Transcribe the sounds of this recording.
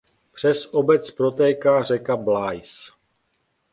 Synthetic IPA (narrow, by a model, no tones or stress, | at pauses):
pr̝̥ɛsʔobɛt͡spɾo̞t̪ɛːkaːrɛkablajs